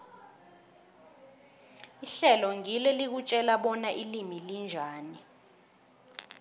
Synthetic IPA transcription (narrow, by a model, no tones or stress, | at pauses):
iɬɛlɔŋilɛlik̬ut͡ʃʼɛlaɓɔnaʔilimilind͡ʒʱaːni